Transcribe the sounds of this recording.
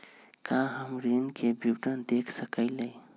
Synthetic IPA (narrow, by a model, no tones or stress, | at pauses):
kaɦəmɾinkebiwʈənd̪ekʰsəkəɪləj